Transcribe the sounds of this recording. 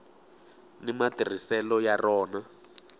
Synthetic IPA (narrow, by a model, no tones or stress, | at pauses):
nimatir̤isɛlɔjarɔːna